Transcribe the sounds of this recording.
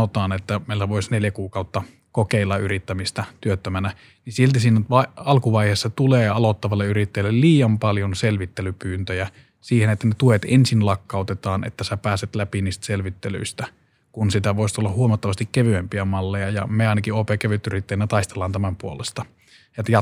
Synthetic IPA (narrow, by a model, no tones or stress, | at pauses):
ot̪ɑːnet̪ːæmeˑilːæʋoisneljækuːkɑˑut̪ːɑ | kokeˑilːɑʔyrit̪ːæmist̪æt̪yøt̪ːømænæ | nisielt̪isiːnæʋɑɑlkuʋɑiheːsːɑt̪uleːɑlot̪ːɑʋɑlːeyrit̪ːejlːelliːjɑmpɑljonselʋit̪ːelypyːnt̪øjæ | siːhenet̪ːænet̪uet̪ensinlɑkːɑˑut̪et̪ɑːnʔḛt̪ːæsæpæːset̪læpiniːst̪æ̥selʋit̪ːely̰ist̪æ | kunsit̪æʋoist̪ulːɑhuomɑt̪ːɑʋɑst̪ikkeʋyæmpiæmɑlːejɑjɑ̰meɑˑinɑkioːpeːkæʋyt̪yrit̪ːeinːæt̪ɑist̪elːˑɑːnt̪æmæmpuolest̪ɑ | jɑt̪jɑ